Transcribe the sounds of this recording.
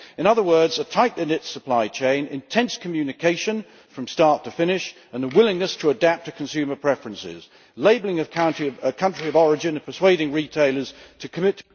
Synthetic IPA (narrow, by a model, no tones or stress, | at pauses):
ɨ̃ñʌðə˞wɜ˞dzətʰaɪʔlɪ̃nɪtsəpʰl̥aɪt͡ʃʰẽɪ̃nɪ̰̃ntʰɛ̃nskʰɨmjʉnɨkʰeɪʃɨ̃n | fɹʌ̃mstɑɹtʰəfɪ̃ñɪʃ | ə̃nəwɪlˠɪ̃ŋnɨstʰəədæp̚tʰɨkʰn̩sʉmə˞pʰɹ̥ɛfɹɨ̃nsɪ̰z̥ | leɪbl̩ˠɪ̃ŋɨãʊ̃nəkʰʌ̃nt͡ʃɹ̥iʌvɔɹɨd͡ʒɨ̃nɨ̃pʰə˞sweɪɾɪ̃ŋɹitʰeɪlˠə˞z̥tʰɨkʰɨmɪtʰ